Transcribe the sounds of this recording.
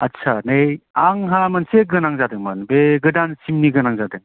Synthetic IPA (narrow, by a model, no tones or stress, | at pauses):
ɐtt͡ʃʰanejaŋɦamanseɡɯnaŋzadɯŋmanbeɡɯdansimniɡɯnaŋzadɯŋ